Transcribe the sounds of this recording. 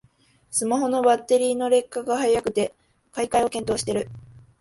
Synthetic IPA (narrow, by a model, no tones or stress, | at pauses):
sɨmaɦo̞no̞bat̪ːe̞ɾʲiːno̞ɾe̞kːaɡahajakɯ̟t̪e̞ | kaikaio̞kent̪o̞ːɕi̥t̪e̞ɾɯ̟